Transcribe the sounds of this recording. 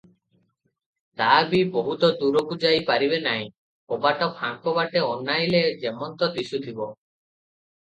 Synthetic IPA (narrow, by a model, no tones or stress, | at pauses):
t̪abiboɦut̪ɔd̪uɾokud͡ʒajpaɾibenaɦj̃ | obaʈɔpʰaŋkɔbaʈeɔnːajled͡ʒemɔnt̪ɔt̪isut̪ʰibɔ